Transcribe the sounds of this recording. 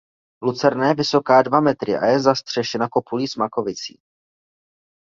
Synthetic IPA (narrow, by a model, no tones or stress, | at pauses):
lut͡sɛɾnɛːjɛvɪso̞kaːdvamɛt̪ɾɪʔa̰jɛzast̪r̝̥ɛʃɛnako̞puliːsmako̞vɪt͡sḭː